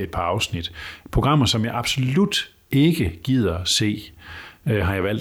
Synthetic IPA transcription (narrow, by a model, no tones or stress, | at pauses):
e̝d̥̚pʰɑ̈ɑ̈ʊsnid̥pʰʁo̝ɡ̥ʁɑ̈m̰ɐsɒ̽mjɑ̈ɪʔɑ̈b̥so̝lud̥ | e̝ɡ̥əɡ̥ið̰ˠɐse̝̰ː | ɦɑ̈jɑ̈ɪʋæl̰d̥